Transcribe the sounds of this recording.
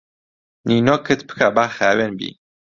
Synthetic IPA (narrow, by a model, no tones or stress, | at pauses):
ninokʰɨt̪pʰɨ̥kʰabaːxæːwɛnbḭː